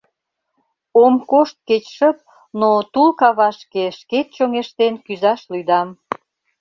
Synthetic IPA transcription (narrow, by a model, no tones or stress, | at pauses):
omkoʃt̪̚ket͡ɕʃəp̚ | not̪ulkɑβɑʃkeʃket̪̚t͡ɕoŋeʃt̪enkyzɑʃlyjd̪ɑm